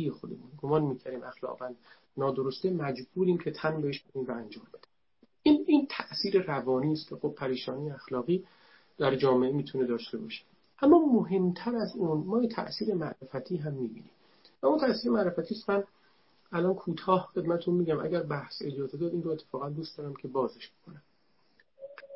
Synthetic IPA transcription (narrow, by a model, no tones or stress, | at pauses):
ijexod̪emunɡomɒːnmiːcʰæɾiːmʔæxlɒ̰ːɣvæn | nɒːd̪oɾost̪emæd͡ʒbuːɾiːmcʰe̞t̪ʰænbeheʃb̥oniːmvæænd͡ʒɒːmbe̞d̪i̥ | iniːnt̪ʰæʔsiːɾerævɒːniːst̪kexob̚pʰæɾiːʃɒːnijeæxlɒːɣiː | d̪̥æɾd͡ʒɒːmeemiːt̪ʰune̞d̪ɒːʃt̪e̞bɒ̰ːʃe̥ | ʔæmːɒːmoɦe̞mt̪ʰæɾæzuːnmɒːjet̪ʰæ̰ʔsiːɾe̞mæʔɾefæt̪ʰiːɦæmːiːbiːniːm | væunt̪ʰæsiːɾe̞mæɾe̞fæt̪ʰiːst̪mæn | ælɒːnkʰuːt̪ʰɒːhxe̞d̪mæt̪ʰet̪unmiːɟæmʔæ̰ɟæɾbæhsḛd̪jɒːt̪ʰed̪ɒːd̪iːnroe̞t̪ʰːe̥fɒːɣænd̪uːstd̪ɒːɾæmcʰe̞bɒːzeʃb̥o̞kʰonæm